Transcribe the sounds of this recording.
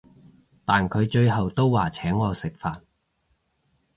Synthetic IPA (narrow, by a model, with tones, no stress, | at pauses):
t̪aː˨nkʰɵ˨˧ɥt͡ʃɵ˧ɥɦɐ˨wt̪o˥wwaː˨˩t͡sʰɛː˨˥ŋːɔː˧sɪ˨k̚faː˨n